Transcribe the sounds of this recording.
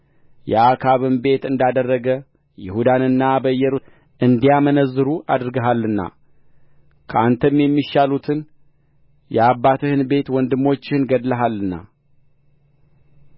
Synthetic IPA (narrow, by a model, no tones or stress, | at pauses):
jɛakʰaβɨnbe̞t̪ɨnd̪ad̪ərːəɡə | jɪhud̪anɨnːabəjːɛɾu | ʔɨnd̪ijamənəzːɨɾuʔad̪ɾɨɡəɦalːɨnːa̰ | kʰəant̪ʰəmjɛmːiʃalut̪ʰɨn | jɛabːat̪ʰɨhɨnbe̞t̪wɔnd̪ɨmo̞t͡ʃːɪhɨnɡəd̪ləɦalːɨnːa̰